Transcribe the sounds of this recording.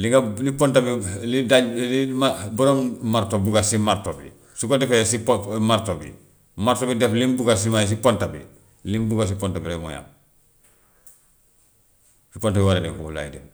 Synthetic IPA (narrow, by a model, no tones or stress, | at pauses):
liŋɡalipontabilidaɟlimabuɾommaɾtobuɡasimaɾtobḭ | sukodɛfesipmaɾtobḭ | maɾtobidɛflimbuɡas̬imajs̬ipontabḭ | limbuɡas̬ipontabilamo̰ja̰m | sipontabiwaɾedɛŋkokula̰jidḛn